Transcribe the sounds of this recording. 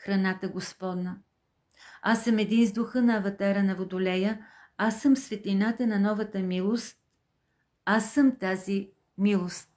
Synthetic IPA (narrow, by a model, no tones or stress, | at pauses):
xɾɐnat̪əɡospɔd̪nə | asəmɛd̪inzd̪ʊxɤnɐɐvɐt̪aɾənɐvod̪olɛjə | asəmsvɛt̪linat̪ənɐnɔvɐt̪əmilˠost̪̚ | asəmt̪azi | milˠost̪̚